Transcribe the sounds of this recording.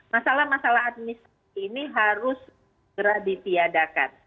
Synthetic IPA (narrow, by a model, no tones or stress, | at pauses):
masalahmasalaɦat̪̚mist̪ː | niɦaɾʊs | əɡəɾadit̪iadaka̰n